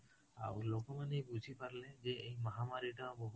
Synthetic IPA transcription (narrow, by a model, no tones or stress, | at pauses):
a̰wlokɔmanejbud͡ʒʱipaɾled͡ʒeejmɔɦamaɾiʈãboɦ